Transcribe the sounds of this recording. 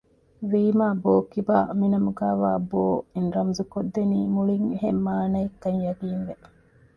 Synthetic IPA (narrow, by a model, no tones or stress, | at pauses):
ʋiːmaːboːkibaːminɐmuɡæːʋaːboːinɾɐmzukod̪ːeniːmuɭiŋɦemːaːnɐikːɐɲjɐɡiːnʋe